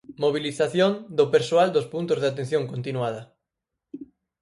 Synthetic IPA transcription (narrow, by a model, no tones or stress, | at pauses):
moβ̞iliθaθjond̪opeɾsoald̪ospunt̪ʊzðeat̪ẽn̟θjoŋkont̪inuaðɐ